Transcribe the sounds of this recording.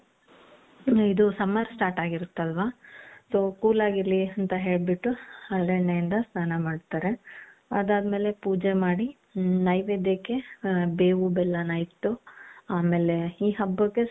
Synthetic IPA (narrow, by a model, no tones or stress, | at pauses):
id̪usɐmaɾsʈaːʈaːɡiɾut̪ːɐlʋaso̞ːkuːlaːɡiɾliɐnt̪ɐɦe̞ːɭbiʈːuɐɭɖɐɳːejind̪ɐsnaːnɐmaːɖt̪aːɾe̞ɐd̪aːd̪me̞ːle̞puːd͡ʒemaːɽi | nɐjʋed̪jeke̞beːʋubɛlːɐnɐjt̪ːuaːme̞ːle̞iːɦɐbːɐkːe